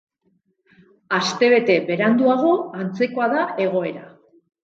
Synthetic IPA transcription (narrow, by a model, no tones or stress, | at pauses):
ast̪e̞βe̞t̪e̞be̞ɾand̪uaɣ̞o̞ant͡se̞ko̞aðae̞ɣo̞e̞ɾa